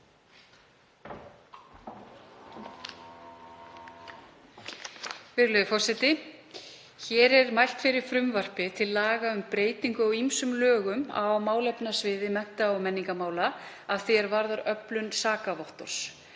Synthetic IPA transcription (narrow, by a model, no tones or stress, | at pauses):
vɪɾlœðʏfɔr̥sɛt̪ɪ | çɛːɾɛɾmajl̥t̪fɪɾɪɾ̥fɾʏmvar̥pɪt̪ʰɪlːaːɣaʏmpɾeːjt̪iŋkʏɔwimsʏmlœːɣʏma̰wmaːwlɛpnasvɪːðɪmɛn̥t̪aɔmɛnːiŋkamaːwla | aðθiɛɾvaɾðaɾœplʏnsaːkavɔht̪ɔ̰ɾ̥s